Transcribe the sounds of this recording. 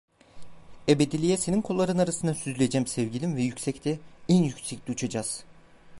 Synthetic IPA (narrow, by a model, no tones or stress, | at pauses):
ebed̪ilʲijɛseninkʰolˠːaɾɯnaɾasɯnd̪asyzylʲed͡ʒɛmsɛvɟʲilʲimvɛjycsɛct̪ʰɛɛnjycʲsɛclʲiut͡ʃʰad͡ʒaz̥